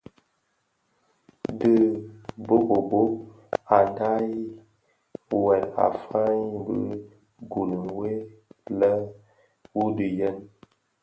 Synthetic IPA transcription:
dɨ˦bo˦bo˨bo˦ | a˨nda˦ | wɛ˨la̰˨fa˦ɲ˦bɨ˦ | ɡu˨nə˨we˦lə˦ | wu˦dɨ˨jə˦˨n

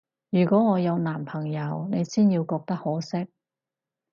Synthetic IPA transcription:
jyː˨˩kɔː˨˥ŋɔː˨˧jɐ˨˧wnaː˨˩mpʰɐ˨˩ŋjɐ˨˧wne˨˧jsiː˥njiː˧wkɔː˧k̚t̪ɐ˥k̚hɔː˨˥sɪ˥k̚

